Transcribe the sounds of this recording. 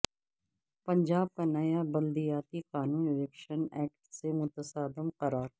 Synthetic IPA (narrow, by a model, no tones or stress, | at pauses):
pəɲd͡ʒaːb̚kanɐjabɐld̪ijaːt̪iqaːnũːnɪlɛkʃənɛːkʈsemʊt̪əsaːd̪əmqəɾaːɾ